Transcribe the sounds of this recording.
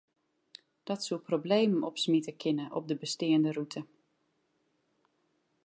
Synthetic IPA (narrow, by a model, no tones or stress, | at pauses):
d̥ɔtsulˠprobleːməɔpsmitəkʰɪnəʔɔ̰p̚dəbəstɪːəndərutʰə